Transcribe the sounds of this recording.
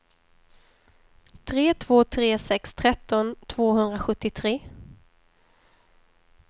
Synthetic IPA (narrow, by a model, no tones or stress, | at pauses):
t̪ʰɾeːt̪ʰvoːt̪ʰɾeːsɛkst̪ʰɾɛt̪ːɔnt̪ʰv̥oːhɵnd̪ɾaɧɵt̪ːɪt̪ʰɾeː